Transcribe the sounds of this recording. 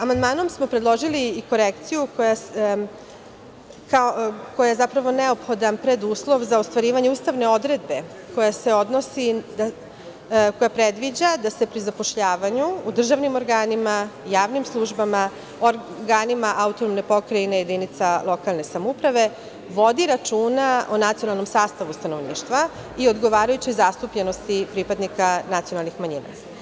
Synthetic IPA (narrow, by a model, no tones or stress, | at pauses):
amand̪maːno̞msmo̞pɾed̪lˠo̞ʒiliːko̞ɾekt̪sijukoja | kako̞jajezapɾaʋo̞neopxo̞d̪anpɾed̪uːslˠo̞ʋzaost̪ʋaɾiːʋaɲeuːst̪aʋne̞o̞d̪ɾe̞d̪̚be̞ | ko̞jase̞o̞d̪no̞sid̪a | ko̞japɾed̪ʋid͡ʑad̪ase̞pɾizapo̞ʃʎaːʋaɲuːd̪r̩ʒaʋnimo̞ɾɡaːnimajaːʋnimslˠuʒbama | oɾ | ɡaːnimaʔaut̪onomnepo̞kɾaineje̞d̪init̪salˠo̞kalˠne̞samupɾaʋe̞ | ʋo̞d̪iɾat͡ʃuːnaʔonat̪sionalˠno̞msaːst̪aʋust̪anoʋnḭːʃt̪ʋa | io̞d̪ɡo̞ʋaːɾajut͡ɕojzast̪upʎeno̞st̪ipɾipad̪nikanat̪sionalˠnixmaɲḭːna̰